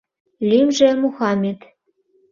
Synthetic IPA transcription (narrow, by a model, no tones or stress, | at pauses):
lʲimʒĕmuxɑmʲet̪